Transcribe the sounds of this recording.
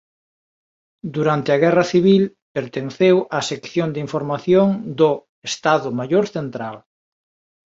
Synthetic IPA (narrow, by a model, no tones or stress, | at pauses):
d̪uɾant̪ɪɐɣɛrɐθiβil | peɾt̪enθewʔɐsekθjond̪iɱfoɾmaθjoŋd̪ʊ | est̪aðʊmajoɾθent̪ɾal